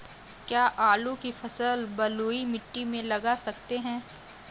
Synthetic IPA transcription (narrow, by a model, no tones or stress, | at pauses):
kjaːʔaːlũkifʰɐsəlbɐluːimɪʈːimẽlɐɡasɐk̚t̪eɦɛ̃ː